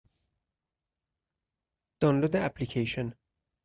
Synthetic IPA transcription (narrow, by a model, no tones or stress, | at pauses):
d̪̥ɔnlod̪eæplikʰejʃɔn